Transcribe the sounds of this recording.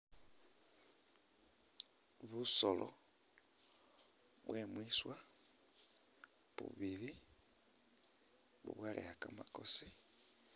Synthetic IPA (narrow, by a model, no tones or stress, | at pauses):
βusolʔo̰ | βwemwiswa | βṵβili | βṵβwalʔḛhakamakose